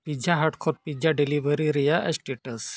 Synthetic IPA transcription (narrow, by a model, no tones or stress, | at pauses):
pid͡ʑʱaɦaʈkʰoɾ̚pid͡ʑaɖeliʋəɾiɾijaʔəsʈeʈəs